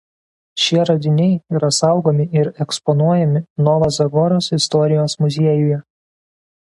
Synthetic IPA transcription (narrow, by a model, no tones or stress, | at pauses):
ʃʲiɛɾɐd̪ʲɪnʲɛɪiːɾɐsɑˑʊɡoːmʲɪɪɾɛkspɔnuɔjɛmʲɪnɔʋɐzɐɡɔɾoːsɪst̪ɔɾʲɪjoːsmʊzʲeɛjʊjɛ